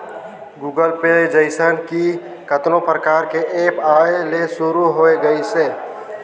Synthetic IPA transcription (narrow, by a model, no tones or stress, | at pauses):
ɡuːɡəlped͡ʒəɪsənki | kət̪nõpɾəkaːɾkeʔeːpaːelesʊɾuɦoːeɡəiseː